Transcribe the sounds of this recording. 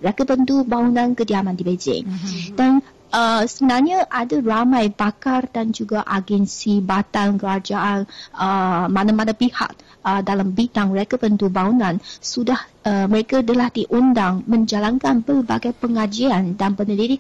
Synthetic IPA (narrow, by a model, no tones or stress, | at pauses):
əɾekəpənt̪ubaŋunãnkədiamãndibed͡ʒɪ̰ŋdan | əsəmənarɲaʔadaramãjbakardand͡ʒuɡaʔaɡɛnsibat̪ankəɾad͡ʒaʔanəmanamanapiha̰k̚ | ədalambit̪aŋməɾekapənt̪ubaunãnsudahəməɾekadəlahdiʔundaŋmə̃ɲd͡ʒalankanbərba̰ɡajpəŋad͡ʒiandanbənədiɾik